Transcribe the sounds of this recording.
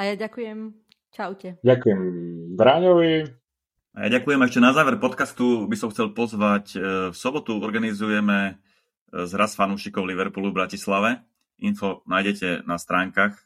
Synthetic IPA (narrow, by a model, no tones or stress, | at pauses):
ajaɟakujɛm | t͡ʃaʊcɛɟakujɛmbɾaːɲɔʋi | aja̰ɟakujɛmɛʃcɛnazaːʋɛɾpɔt̪kast̪ubisɔmxt͡sɛlpɔzʋacfsɔbɔt̪uɔɾɡanizujɛmɛ | zɾasfanuːʃikɔʊliʋɛɾpuluvbɾacislaʋɛ | infɔnaːjɟɛcɛnast̪ɾaːŋkaːx